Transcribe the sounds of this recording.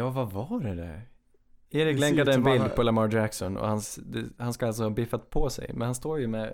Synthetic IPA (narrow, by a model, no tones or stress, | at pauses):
jɑːvavaɖɛd̪æ̰ɾ | eːɾɪklɛŋkad̪əɛnbɪld̪pʰɔlamaɾd͡ʒæksɔnɔ̰hansd̪ɛhanskaals̬ɔhɑbɪfat̪̚pʰɔsɛ̰jmɛ̰nhanst̪oːɾjɵmɛ